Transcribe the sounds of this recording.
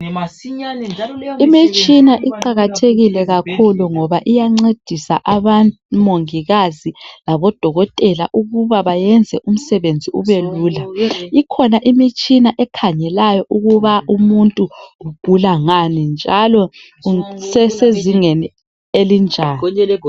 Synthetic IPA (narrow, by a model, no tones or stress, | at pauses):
imit͡ʃʼinaʔiǃaɣatʰeɣilɛɣakʰuluŋɔβaʔijaŋ͡ǀed̥ʱisa̰ʔaβan | moŋiɣazilaβɔd̥ʱɔɣɔtʼɛla̰ʔuɣuβaβajɛnd͡zʱɛʔum̩sɛβend͡zʱiuβeluːlaikʰɔnaʔimit͡ʃʼinaʔɛkʰaɲɛlajɔʔuɣuβaumuntʼuuɡ̥ʱulaŋanind͡ʒʱalɔ | sɛseziŋeni | elind͡ʒʱaːn